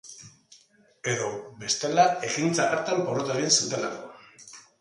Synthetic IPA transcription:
e̞ðo̞be̞st̪e̞lae̞ɣint͡saaɾt̪ampoɾot̪eɣinsut̪e̞la̰ko̞̰

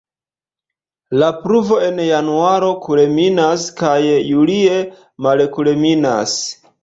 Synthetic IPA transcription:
lapɾuvo̞e̞njanuaɾo̞kule̞minaskajːulie | malkulemina̰s

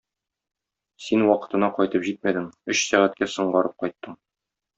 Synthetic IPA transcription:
sinwɒqɤ̥̆t̪ɤ̆nɑqɒjt̪ɤpʑit̪̚mæd̪ɘŋɵɕsæʁæt̪̚kæsɤ̆ɴɢɑɾɤp̚qɒjt̪ːɤɴ

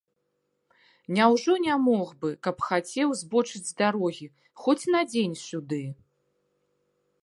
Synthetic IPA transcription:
nʲawʐɔnʲamɔɣbɨkɐpxat͡sʲɛwzbɔt͡ʂɨd͡zʲzd̪aɾɔɣʲi | xɔt͡sʲnɐd͡zʲenʲsʲud̪ɨ

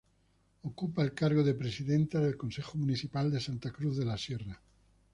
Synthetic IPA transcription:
okupaelkaɾɣ̞oðepɾesiðent̪aðelko̞nsexomuniθipald̪e̞sant̪akɾuθðe̞lasjera

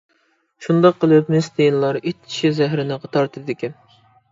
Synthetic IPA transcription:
ʃund̪ɑqʰːəlˠɨpmɪsd̪ejinlˠɑɾit͡ʃːi̥ʃizæɦɾɪnɨqɑt̪ʰɑɾt̪ʰɨd̪ɪkʲin

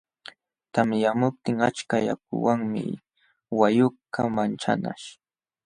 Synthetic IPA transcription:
t̪amjamʊp̚t̪ɪŋat͡ʃkajak̚ʊ̰waŋmɪ̰ | wajʊkamant͡ʃa̰na̰ʃ

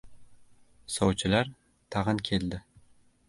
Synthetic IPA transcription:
sɒwt͡ʃʰɪlaɾ | t̪ʰɑʁɨnkʲʰe̞ld̪ɪ

